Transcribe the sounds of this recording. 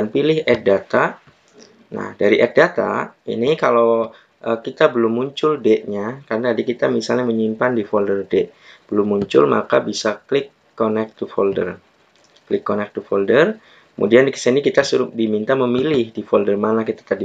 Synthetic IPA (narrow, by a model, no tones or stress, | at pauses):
anpilɪɦɛk̚dat̪a | na̰hdaɾiʔɛk̚dat̪a̰ḭnikalow | ʔəkit̪abəlʊmːuɲt͡ʃʊldɛʔɲakarənaadikit̪amisalɲaməɲimpandifɔldərdɛʔb̥əlʊmːuɲt͡ʃʊ̰lma̰kabisaklɪkːonɛk̚t̪ufɔldə̰r | klɪkːonɛk̚t̪ufɔldər | kəmʔṵdiandikə̥sənikit̪asuɾʊk̚dimint̪aməmilɪhdifɔldərmanakit̪ḁt̪adi